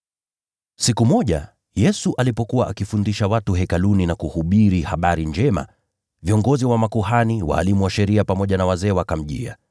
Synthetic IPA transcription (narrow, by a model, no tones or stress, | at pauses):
sikumɔʄa̰ | jɛsuʔalipɔkuwaʔakifundiʃawatuɦɛkaluninakuhuɓiɾihaɓaɾind͡ʒɛma̰ | viɔŋɡɔziwamakuhaniwa̰ːlimuwaʃɛɾiapamɔʄanawazɛːwakam̩ʄḭa̰